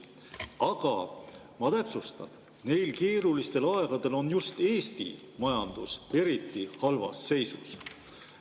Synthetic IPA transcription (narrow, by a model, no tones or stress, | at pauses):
ɑɡ̥ɑ | mɑt̪æpsust̪ɑ̰n | ne̞jlke̞ːɾulist̪e̞lɑe̞ɡ̥ɑd̪̥e̞lo̞njust̪e̞ːst̪ḭ | mɑjɑnd̪̥use̞ɾit̪ːˑihɑlvɑ̰sːe̞jsus